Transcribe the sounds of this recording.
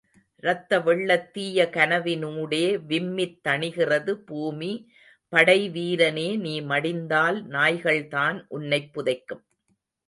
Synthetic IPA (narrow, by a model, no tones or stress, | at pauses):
ɾɐt̪ːɐʋɛɭːɐt̪ːiːjɐkɐnɐʋɪnuːɽeːʋɪmːɪt̪ːɐɳɪɣɪrɐðɯbuːmi | pɐɽɐɪʋiːɾɐneːniːmɐɽɪnd̪aːlnaːjɣɐɭt̪aːnʔʊnːɐɪpːʊðɐɪkːɯm